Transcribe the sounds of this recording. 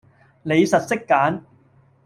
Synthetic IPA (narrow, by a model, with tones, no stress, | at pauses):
le˨˧jsɐ˨t̚sɪ˥kːaː˨˥n